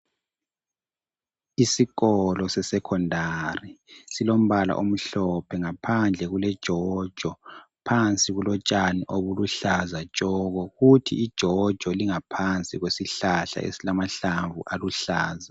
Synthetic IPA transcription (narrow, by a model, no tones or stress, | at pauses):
isiɣɔlɔsɛsɛkʰɔndʱarisilom̩βala̰ʔom̩ɬɔpʰɛŋapʰand͡ɮʱɛɣulɛd̥ʒ̥ʱɔd̥ʒ̥ʱɔ | pʰant͡sʼiɣulɔt͡ʃʼaniʔoβuluɬazḁt͡ʃʼɔɣɔɣutʰḭːd̥ʒ̥ʱɔd̥ʒ̥ʱɔliŋapʰant͡sʼiɣwesiɬaɬa̰ʔḛsilamaɬaɱvuʔaluɬaːza